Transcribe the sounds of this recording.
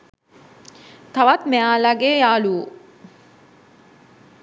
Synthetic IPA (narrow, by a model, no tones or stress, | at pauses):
t̪aʋat̪meaːlaɡejaːluu